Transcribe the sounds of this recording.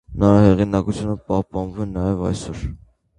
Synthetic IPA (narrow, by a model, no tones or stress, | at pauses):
nɑɾɑhɛʁinɑkut͡sʰjunəpɑhpɑnvumɛnɑjɛvɑ̰jsɔɾ